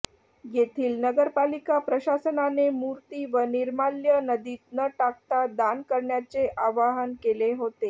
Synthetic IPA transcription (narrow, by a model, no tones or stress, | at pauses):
jet̪ʰiːlnəɡəɾpalikapɾəɕasənanemuɾt̪iːʋəniɾmaljənəd̪iːt̪̚nəʈak̚t̪ad̪ankəɾɳjat͡seʔaʋaɦənkeleɦot̪e